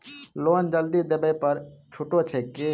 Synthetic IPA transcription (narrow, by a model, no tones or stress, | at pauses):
loːnd͡ʒəld̪id̪ebəjpəɾt͡ʃʰuʈot͡ʃʰeke